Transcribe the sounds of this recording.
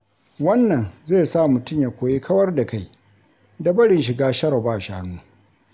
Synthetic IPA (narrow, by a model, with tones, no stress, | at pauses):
wɐ˦nːɐ˨nzeː˦˨sa˦˨mʊ˨tʊ˦mja˨kʷoː˨jeː˦kʰɐ˦wɐ˦rda˨ka˦˨j | dɐ˦bɐ˦ɽɪ˨nʃ̬ɪ˨ɡaː˦ʃɐ˦ɽɐ˨baː˦˨ʃaː˦nuː˦